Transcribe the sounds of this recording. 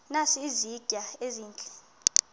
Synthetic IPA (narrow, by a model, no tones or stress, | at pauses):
nasiːziɡ̥ʱaeziːnt͡ɬʼɛ̥